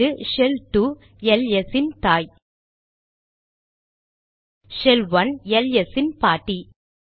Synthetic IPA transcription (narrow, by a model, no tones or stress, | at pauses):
ɯʃɛlʈu | ɛlɛsɪnt̪aːj | ʃɛlʋɐnɛlɛsɪnpaːʈːi